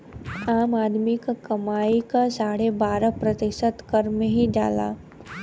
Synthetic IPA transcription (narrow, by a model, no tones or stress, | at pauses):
aːmaːd̪mikakɐmaːikasaːɽebaːɾapɾɐt̪ɪʃət̪kɐɾmẽɦid͡ʒa̰ːla̰ː